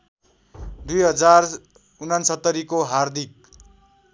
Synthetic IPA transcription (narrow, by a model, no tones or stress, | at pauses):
d̪ujɦʌd͡zar | unansʌt̪ːʌɾikoɦard̪ʱik̚